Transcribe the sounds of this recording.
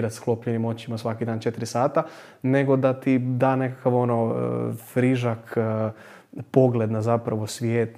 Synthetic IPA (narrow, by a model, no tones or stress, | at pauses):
ɾat̪sklˠo̞pʎenimo̞t͡ɕimasʋakid̪aːnt͡ʃe̞t̪iɾisaːt̪a | ne̞ɡo̞d̪at̪id̪aːne̞kakaʋo̞no̰fɾiʒak | po̞ɡle̞d̪nazapɾaʋo̞sʋjeːt̪